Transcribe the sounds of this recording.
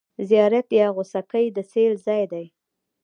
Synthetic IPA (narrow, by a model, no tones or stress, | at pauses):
zjɑɾat̪jɑɣosakəjd̪əselzɑjd̪aj